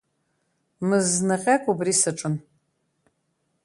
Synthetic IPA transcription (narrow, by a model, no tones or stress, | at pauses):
mɨznɨqʲʼakʷʼubrisɨʈ͡ʂʼɨn